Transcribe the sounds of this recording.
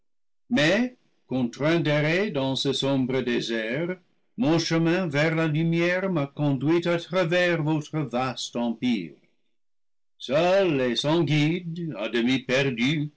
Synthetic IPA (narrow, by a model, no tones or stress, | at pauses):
mɛ | kɔ̃t̪ʁɛ̃deʁedɑ̃səsɔ̃bʁədezɛʁ | mɔ̃ʃəmɛ̃vɛʁlalymjɛʁmakɔ̃dɥitatχavɛʁvotχəvastɑ̃pḭːʁ | sœlesɑ̃ɡid̪adəmipɛʁdy